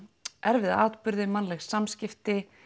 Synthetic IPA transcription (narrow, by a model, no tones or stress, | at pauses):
ʔɛɾvɪðaaːt̪pʏɾðɪmanːlɛxsːamscɪft̪ɪ